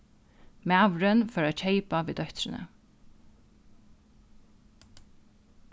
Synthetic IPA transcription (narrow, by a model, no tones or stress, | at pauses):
mæːʋɾənfœːɾac͡çʰeɪpaʋiːd̪œhçt̪ɾɪnə̰